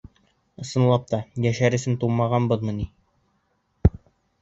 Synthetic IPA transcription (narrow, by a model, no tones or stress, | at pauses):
ɤ̆sɤ̆nlˠɑp̚t̪ɑjæʃæɾɘ̆sɘnt̪umɑʁɑnbɤðmɤ̆ni